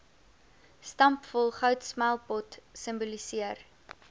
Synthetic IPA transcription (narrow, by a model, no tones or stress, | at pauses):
stɐmpfɔlˠχœwtsmælˠpɔtsəmbolisiər